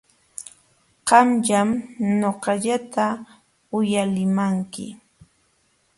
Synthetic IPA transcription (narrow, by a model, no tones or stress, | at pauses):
qɑmʎamɲoqɑʎat̪a | ʊjalɪmaŋkɪ̰